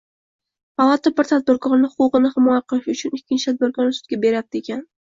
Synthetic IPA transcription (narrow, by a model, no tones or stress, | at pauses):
palˠɑt̪ʰabɪɾt̪ʰad̪̚bɪɾkʰɒɾnɪhʊqʊʁɨnɪhɪmɒjaqʰɨlˠɪʃʊt͡ʃʰʊnɪkʲːɪnt͡ʃɪt̪ʰad̪bɪɾkɒɾnɪsʊ̥t̪̚ɡʲabe̞ɾap̚t̪ekʲʰan